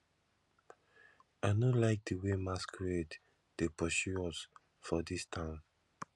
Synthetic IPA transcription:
aɪnolaɪk̚diwemaskʰɹed | d̥epɔʃuɔs | fɔdistʰãʊ̃m

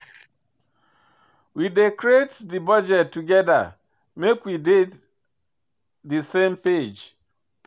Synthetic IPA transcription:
widekɾetdibɔd͡ʒɛtːuɡɛda̰ | mekwided | disemped͡ʒ

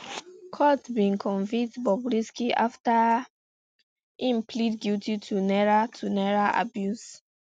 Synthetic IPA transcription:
kʰɔtbĩnkʰɔ̃ɱvĩk̚tbɔbɹiskiʔafta | ĩmpʰlitɡiltʰitʰunɛɹatʰunɛɹaʔa̰bjus

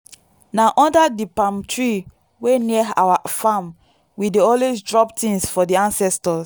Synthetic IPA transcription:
naʔɔ̃ndadipãmtʰɹi | wenia̰wafãm | wideɔlwesdɹɔptĩŋsfɔdiãnsɛstɔs

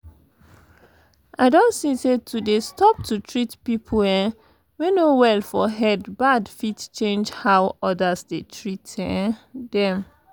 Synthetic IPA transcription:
ʔaɪdõntsĩsetʰudestɔp̚tʰutʰɹitpipʰlɛ̃ | wenowɛlfɔɦɛdbadfitt͡ʃẽnd͡ʒhawɔdasdetʰɹitɛ̃dɛ̃m

